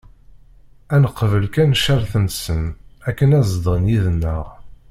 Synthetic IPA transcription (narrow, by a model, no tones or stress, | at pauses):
ænəqːvəlkænʃæɾθənsənækːənæzd̪ʁənjiðənːə̰ʁ